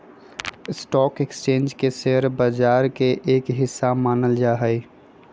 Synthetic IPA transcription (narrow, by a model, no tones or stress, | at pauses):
ɪsʈɔːkekst͡ʃẽːnd͡ʒkeseɦɾbəd͡ʒaːɾkeʔeːkɦɪsːamaːnəld͡ʒaːɦəi